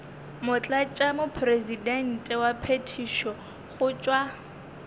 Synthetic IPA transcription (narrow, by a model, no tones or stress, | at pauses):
mʊt͡ɬʼat͡ʃʼamʊpʰrezidɛn̩tʼɛwapʰetʰiʃɔ | χʊt͡ʃʼwa